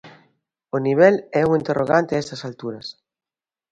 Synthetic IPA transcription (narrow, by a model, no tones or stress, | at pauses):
oniβ̞ɛlɛuŋint̪erʔoɣ̞ant̪eaest̪ɐsalt̪uɾɐs